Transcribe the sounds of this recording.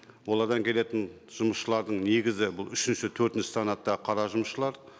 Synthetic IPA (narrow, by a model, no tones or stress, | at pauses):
wo̞lˠɑɾd̪ɑŋkʲʰe̞le̞t̪ɪn | ʒ̥ʊməsʃəlˠɑɾd̪əɴne̞ɡʲɪzɪbʊlˠʏʃɪnʃɪt̪ʰɵɾt̪ɪnʃɪ̥sɑnɑt̪ːɑəqʰɑɾɑʒʊməsʃəlˠɑɾ